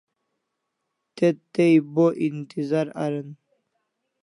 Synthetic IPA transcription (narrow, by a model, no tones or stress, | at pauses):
t̪et̪ːejboʔint̪izaɾa̰ɾən